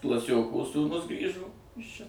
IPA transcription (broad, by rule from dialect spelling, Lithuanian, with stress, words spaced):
klˠɐˈsʲoːkoː suːˈnʊs ˈɡrʲiːʒoː ˈɪs ˈt͡ʃʲɛ